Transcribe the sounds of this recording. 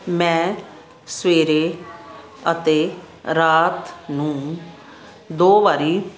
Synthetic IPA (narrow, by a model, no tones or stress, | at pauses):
mɛ̃ː | sʋeːɾeː | ət̪eː | ɾaːt̪nũː | d̪oːʋaːɾiː